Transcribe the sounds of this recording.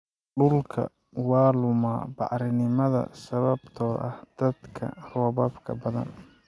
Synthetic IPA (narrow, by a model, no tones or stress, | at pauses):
ɖʊlkʰɐ̰ | wɑːlʊma̰ːbɑ̰ʕɾɪnɪmɐðɐ̰sɐβɐbt̪ʰɔːɾɐ̰hd̪̥ɐd̪kʰɐ̰rɔːβɐbkʰɐ̰bɐðɐ̰n